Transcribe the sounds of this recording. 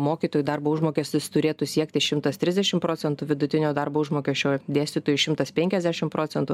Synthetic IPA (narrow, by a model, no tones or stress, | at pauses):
moːkʲiːt̪oːjud̪ɐrboːʊʒmoːkʲesʲt̪ʲɪst̪ʊɾʲeːt̪usʲiɛkt̪ʲɪʃʲɪmt̪ɐst̪ʲɾʲɪzʲd̪ʲɛʃʲɪmpɾoːt͡s̪ʲɛnt̪ʊʋʲɪd̪ʊt̪ʲɪnʲoːd̪ɐrboːʊʒmoːkʲɛʃʲt͡ʃʲoːd̪ʲeːsʲt̪ʲit̪oːjuʃʲɪmt̪ɐspʲɛŋʲkʲɛzʲd̪ʲæʃʲɪmpɾoːtt͡s̪sʲɛnt̪ʊ